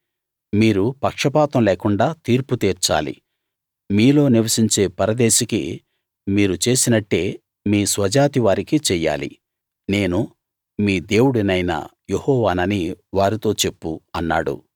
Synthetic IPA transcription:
miːɾupɐkʂɐpaːt̪ɐmleːkuɳɖaːt̪iːɾput̪iːɾt͡ʃa̰ːlḭ | miːlo̞ːniʋɐsiɲt͡ʃe̞ːpɐɾɐd̪eːʃikḭ | miːɾut͡ʃe̞ːsinɐʈːe̞ː | miːsʋɐd͡ʒaːt̪iʋaːɾikit͡ʃɛjːa̰ːlḭ | ne̞ːnu | miːd̪e̞ːwuɽinɐjnɐ̰jehɔːʋaːnɐniʋaːɾit̪o̞ːt͡ʃe̞pːuɐnːa̰ːɽṵ

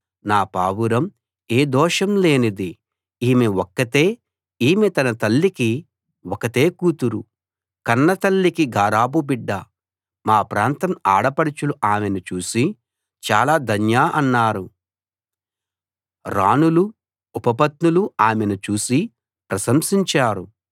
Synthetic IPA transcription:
naːpaːwuɾɐm | e̞ːd̪ɔːʂɐmle̞ːnid̪i | iːmewɔkːɐt̪eː | iːmet̪ɐnɐt̪ɐlːiki | wɔkɐt̪e̞ːkuːt̪uɾu | kɐnːɐt̪ɐlːikiɡʱaːɾaːbubiɖːɐ | maːpɾaːnt̪ɐmaːɽɐpɐɽit͡ʃuluʔaːmenut͡ʃuːsi | t͡ʃaːlaːd̪ʱɐnjaːʔɐnːaːɾu | ɾaːnulu | upɐpɐt̪nuluaːmenut͡ʃuːsi | pɾɐsɐmsiɲt͡ʃaːɾu

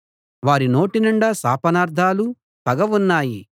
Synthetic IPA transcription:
ʋaːɾino̞ːʈinuɳɖɐsa̰ːpɐnaːɾd̪ʱaːlu | pɐɡɐʋunːaːji

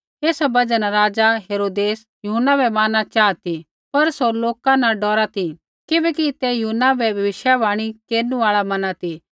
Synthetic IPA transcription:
eːsabɐd͡ʒənɾaːd͡ʒaɦeːɾoːd̪eːs | jʊɦənːabɛmaːnat͡ʃaːt̪i | pɐɾsoloːkãnãɖɔːɾat̪i | kɪbɛːkit̪ɛjuɦnabɛbʱɐʋɪʃjabaːɽ̃ikeːɾnũaːɭamɐnat̪i

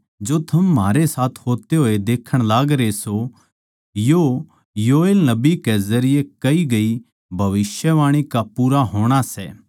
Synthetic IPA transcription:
d͡ʒoːt̪ʰɐmːaːɾesaːt̪ʰɦoːt̪eɦoːed̪eːkʰəɽ̃laːɡɾeso | jo | joːeːlnɐbikezɐɾɪjekɐiɡɐi | bʱɐʋɪsjəʋaːɽ̃ikapuːɾaɦoːɽ̃asɛː

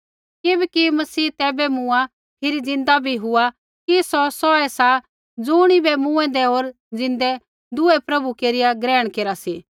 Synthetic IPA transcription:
kɪbɛkimɐsiːt̪ɛːbɛmʊ̃a | pʰɪɾid͡zɪ̃nd̪abʱiɦʊa | kisɔsɔɛsa | d͡zʊːɽ̃ibɛmũɛ̃nd̪ɛɦoːɾ | d͡zɪ̃nd̪ɛ | d̪ʊɛpɾɐbukeːɾɪjaɡɾɛːɽ̃keːɾasiː

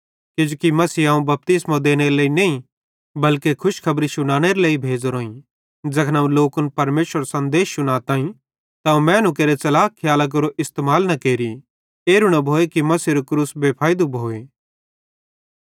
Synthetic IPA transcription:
ked͡ʒokimɐsiːãːũbɐp̚t̪ɪsmad̪eːñeɾeleːinẽːĩ | bɐlkekʰʊʃkʰɐbɾisʊɽ̃aːɽ̃eɾeleːibʱeːd͡ʒɾoːĩ | d͡ʒɐkʰnaːũloːkʊnpɐɾmeːʃəɾsɐ̃nd̪eːsːʊɽ̃aːt̪ãːĩ | t̪aũmɛ̃ːnuk̬eːɾet͡sɐlaːkʰːɪjaːlak̬ɐɾoʔɪst̪eːmaːlnɐkeːɾi | eːɾʊɽ̃ɐbʱoːekimɐsiɾokɾuːsbeːpʰaːjd̪ubʱoːeː

